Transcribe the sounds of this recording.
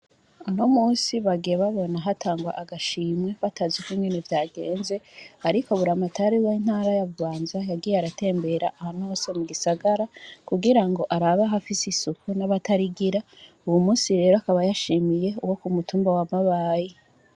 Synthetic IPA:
ano̞muːnsiβaɡijeβaβo̞naɦataːŋɡwa̰ʔaɡaʃiːmwe̞βatazikiŋɡe̞nevjaːɡe̞ːnze̞aɾiko̞βuɾamatʰaɾiwain̥haːɾajavuβaːnzajaɡijaɾate̞ːmbe̞ɾaʔahano̞ːsemuɡisaɡaɾakuɡiɾaŋɡo̞ʔaɾaβaɦafisisukunaβatʰaɾiɡiɾa | uwumuːnsiɾe̞ɾoakaβajaʃiːmije̞uwo̞kumutuːmbawamaβaːji

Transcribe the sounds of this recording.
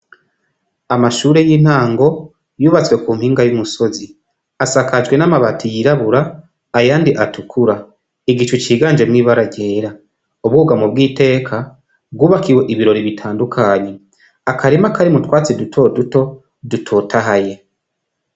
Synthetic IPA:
amaʃuːɾe̞jiːn̥haːŋɡo̞ | juːβat͡swe̞kuːmhiːŋɡajumuso̞zi | asakad͡ʒɡwe̞namaβatʰijiɾaβuɾaː | jaːndiʔatukʰuɾa | iɡit͡ʃut͡ʃiːɡaːnd͡ʒemwiːβaɾaɟe̞ːɾa | uβɡuɡamobɡiːte̞ːkʰa | b̚ɡuːβakiwe̞ʔiβiɾo̞ɾiβitʰaːndukʰaːɲe̞ | akaɾimakaɾimutwaːt͡sidutʰo̞ːduto̞ | dutʰotʰaɦaje̞

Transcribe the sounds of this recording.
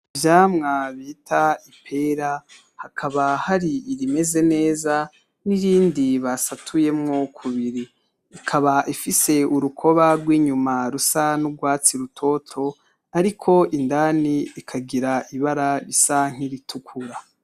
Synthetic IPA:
vjaːmŋaβitʰaipʰe̞ɾa | hakʰaβahaɾiːɾime̞ze̞ne̞ːza | niɾiːndiβasatʰuje̞mŋokʰuβiɾiː | kʰaβaʔifise̞uɾukʰo̞βaɡwiːɲumaɾusanuɡwaːt͡siɾutʰo̞tʰo̞ | aɾikʰo̞ʔindaːniikʰaɡiɾaʔiβaɾaɾisaŋ̥iɾitʰukʰuɾa

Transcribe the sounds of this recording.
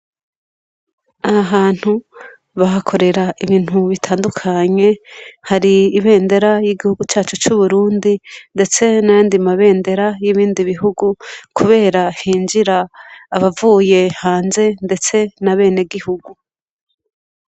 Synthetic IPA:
ahaɦaːn̥hu | βaɦakʰo̞ɾe̞ɾaiβiːn̥huβitʰaːndukʰaɲe̞haɾiːβe̞ːnde̞ɾajiɡihuɡut͡ʃaːt͡ʃut͡ʃuβuɾuːndinde̞t͡se̞najaːndimaβe̞ːnde̞ɾajiβiːndiβiɦuɡukʰuβe̞ːɾahiːnd͡ʒiɾaːβavuːje̞haːnze̞nde̞t͡se̞naβe̞ːne̞ɡihuɡu

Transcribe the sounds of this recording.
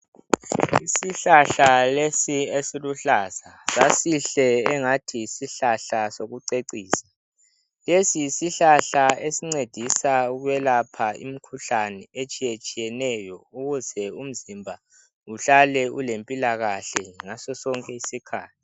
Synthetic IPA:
isiɬaɬalesiesiluɬaz̥asasiɬɛːŋatʰisiɬaɬasoɣuǀeǀiːsḁ | lesiisiɬaɬaesiŋ͡ǀed̥ʱisauɣwɛlapʰaḭm̩kʰuɬanɛet͡ʃʼijet͡ʃʼijɛnɛjɔuɣuzɛum̩zimbʱa | uɬalɛṵlempʼilaɣaɬɛŋasɔsɔŋkʼɛisikʰaːtʰi̥

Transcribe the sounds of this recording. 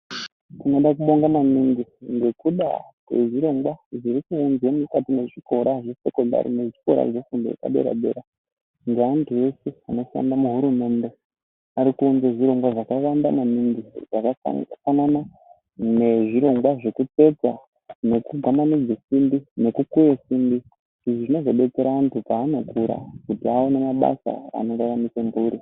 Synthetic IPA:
tino̞ɗak̬uɓo̞ŋɡamamiŋɡiŋɡe̞kuɗa̰kwḛʐiɾo̞ŋɡwaʐiɾikuːnzemukatine̞ʐiko̞ɾaʐese̞ko̞nda̰ɾḭne̞ʐiko̞̰ɾa̰ʐefundojḛka̰ɓe̞̰ɾa̰ɓe̞̰ɾa | ŋɡeandue̞seano̞ʃa̰ndamuɦuɾume̞nde̞ | aɾikuːnzeʐiɾo̞ŋɡwaʐakaʋandanamindḭd͡zakafanana | ne̞ʐiɾo̞ŋɡwaʐe̞kupe̞t͡sa | ne̞kuɡʱamanid͡zesimbine̞kukujesimbi | iʐiʐino̞zo̞ɓe̞t͡se̞ɾaːntʰupaːno̞kuɾa̰kutiaonemaɓa̰sa̰a̰no̞ɾaramisembuːɾi

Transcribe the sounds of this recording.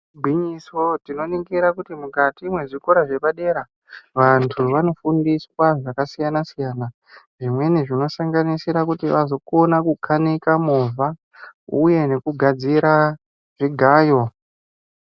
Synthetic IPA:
bʱiɲisotino̞niɡiɾakutimukatiːmwe̞ʐiko̞ɾaʐe̞paɗe̞ɾa | ʋantʰuʋano̞fundiswaʐakasijanasijana | ʐimwe̞niʐino̞saŋɡanisiɾakutiʋazo̞ko̞nakukʰanikamova | uje̞ne̞kuɡʱad͡ziɾa | ʐiɡʱaːjo̞

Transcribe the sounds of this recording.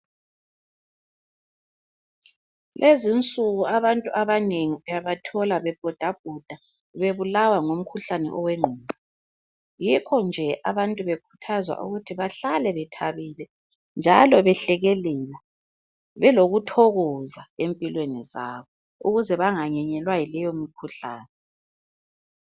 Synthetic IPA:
lʔezint͡sʼuɣuaβantʼuʔaβaneŋiβɛjaβatʰɔlaβɛb̥ʱɔd̥ʱab̥̚ʱɔd̥ʱa | βeβulawaŋom̩kʰuɬanɛ̰ʔɔwɛŋ͡ǃʱuːmʱa | jikʰɔnd͡ʒʱɛʔa̰βantʼuβekʰu̥tʰazwa̰ʔṵɣutʰiβaɬalɛβɛtʰaβilɛ | nd͡ʒʱa̰lɔβɛɬɛɣɛlɛla | βɛloɣutʰɔɣɔzaempʼilweniza̰ːβɔ | uɣuzɛβaŋaɲɛɲɛlwajilɛjomikʰuɬa̰ːnɛ

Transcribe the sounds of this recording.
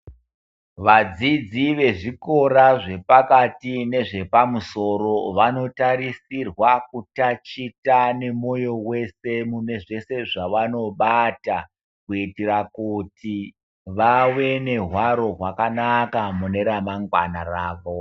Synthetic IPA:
ʋad͡zid͡ziʋe̞ʐiko̞ɾaʐe̞pakatine̞ʐe̞pamuso̞ɾo̞ʋano̞taɾisirwakutat͡ʃitane̞mo̞jo̞we̞se̞mune̞ʐe̞se̞ʐaʋano̞ɓata | kuitiɾakuti | ʋawe̞ne̞ɦwaɾo̞ɦwakanakamune̞ɾamaŋɡwa̰naraːʋo

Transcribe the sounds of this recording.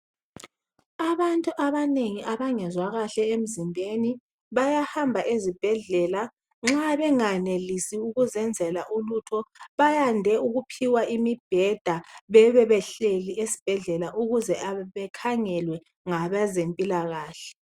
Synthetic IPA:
aβantʼuʔaβaneŋiʔaβaŋɛzwaɣaɬɛem̩zimbʱeni | βajahambʱaʔezib̥ʱɛɮɛla | ŋ͡ǁaβɛŋanelisiuɣuzɛnd͡zʱɛlaʔulutʰɔβajandʱɛuɣupʰiwaʔimib̥ʱɛd̥ʱaβɛβɛβɛɬeliesi̥b̥ʱɛɮɛlaʔuɣuzɛʔaβɛkʰaŋɛlwɛ | ŋaβazempʼilaɣaːɬɛ̥

